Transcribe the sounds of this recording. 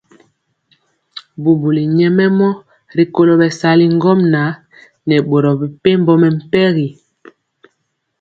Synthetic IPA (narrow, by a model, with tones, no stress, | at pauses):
bu˨bu˨li˨ɲɛ˦mɛ˦mɔ˦ | ɾi˨ko˦lo˦bɛ˨sa˨li˦ŋ˦ɡɔ˦mna˨˦ | nɛ˨ɓo˨ɾɔ˨bi˨pe˦m˦bɔ˦mɛ˨m̩˦˨pɛ˦ɣi˨